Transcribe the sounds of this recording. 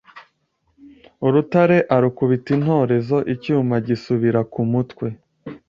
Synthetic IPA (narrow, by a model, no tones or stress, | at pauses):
uɾutaɾe̞ʔaɾukuβitin̥ho̞ːɾe̞zo̞ʔicuːmaɟisuβiɾakumutkwe̞